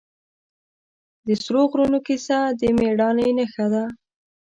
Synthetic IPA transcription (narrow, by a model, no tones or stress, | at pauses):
d̪əsɾoɣɾunokisad̪əmeɽɑnəjnəxad̪a